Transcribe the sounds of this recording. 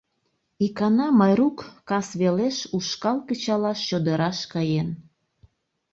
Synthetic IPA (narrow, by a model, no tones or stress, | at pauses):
ikɑnɑmɑjɾukːɑsβeleʃuʃkɑlkət͡ɕɑlɑʃːod̪əɾɑʃkɑjen